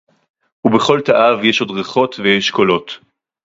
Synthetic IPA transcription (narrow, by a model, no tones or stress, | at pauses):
ubeχo̞lt̪aʔavjeʃo̞dʁeχo̞t̪vejeʃko̞lo̞t